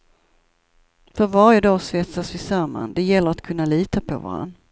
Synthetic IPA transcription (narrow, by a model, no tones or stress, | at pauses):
fœɾvaɾjəd̪ɑːsvɛt̪sasvɪsœɾma̰nd̪ɛjɛlːəɾat̪kʰɵnːaliːt̪apʰɔ̰va̰ɾa̰nː